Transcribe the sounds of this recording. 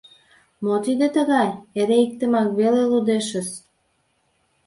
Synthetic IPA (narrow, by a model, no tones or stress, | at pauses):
mot̪id̪et̪əɣɑjeɾeik̚t̪əmɑkβelelud̪eʃə̆s